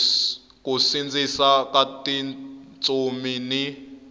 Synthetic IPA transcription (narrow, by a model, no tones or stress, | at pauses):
kusind͡zisakatit͡sʼumini